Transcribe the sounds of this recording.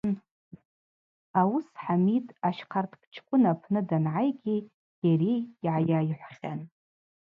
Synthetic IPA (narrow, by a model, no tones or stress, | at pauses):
awusħamitʼaʃqʰartʰʼkʼt͡ʃʰkʷʼʊnapʰnɨdanʕajɡʲi | jarejːʕajaːjħʷχʲan